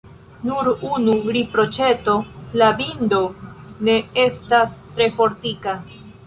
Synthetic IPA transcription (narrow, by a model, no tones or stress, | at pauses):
nuɾunuɾipɾo̞t͡ʃe̞to̞labindo̞ne̞e̞stastɾe̞fo̞ɾtika